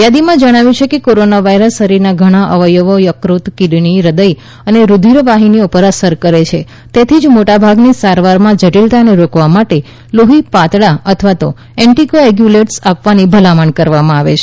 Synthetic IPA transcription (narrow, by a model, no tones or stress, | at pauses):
jad̪imãd͡ʒəɽ̃aʋjũt͡ʃʰekekoɾonaʋaiɾəsːəɾiɾnaɡʱəɽ̃ãʔəʋəjoʋojəkɾut̪kiɽɳiɾəd̪əj | əneɾud̪ʱiɾʋaɦiniopəɾəsəɾkəɾet͡ʃʰe | t̪et̪ʰid͡ʒmoʈabʱaɡnisaɾʋaɾmãd͡ʒəʈilt̪aəneɾokʋamaʈe | loɦipat̪ɭaət̪ʰʋat̪o | ɛ̃ɳʈikoeɡjuleʈsapʋanibʱəlamaɳkəɾʋamãaʋḛt͡ʃʰe